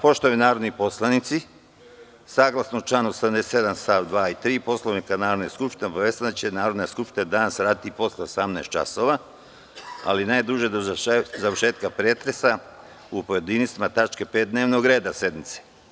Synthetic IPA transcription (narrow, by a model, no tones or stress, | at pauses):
po̞ʃt̪oajunaːɾo̞d̪nipo̞slˠanit̪si | saːɡlˠasnout͡ʃlˠaːnuosed̪amd̪est̪je̞d̪ansaːʋd̪ʋaːit̪ɾiːpo̞sloʋnikanaːɾod̪neskupʃt̪ineo̞baʋeːst̪ad̪at͡ɕenaːɾo̞d̪naskupʃt̪nead̪anasɾaːd̪it̪ipo̞sleosamnest̪̚t͡ʃa̰soʋa | a̰linaːjd̪uʒed̪ozaʋəɾʃeːt̪kapɾet̪ɾesa | upo̞je̞d̪inisimat̪at͡ʃkepet̪̚d̪neːʋnoɡɾe̞ːd̪ase̞d̪mit̪se